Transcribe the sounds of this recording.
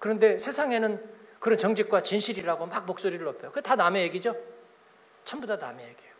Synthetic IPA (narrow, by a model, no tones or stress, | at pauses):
kɯɾʌnde̞sʰe̞sʰaŋe̞nɯnkɯɾʌnt͡ɕʌŋd͡ʑik̚k͈wat͡ɕinɕʰiɾiɾaɡomak̚mok̚s͈oɾiɾɯɭʌpʰejokɯetanamejeɡid͡ʑo | t͡ɕʰʌmbodana̰mejeɡijo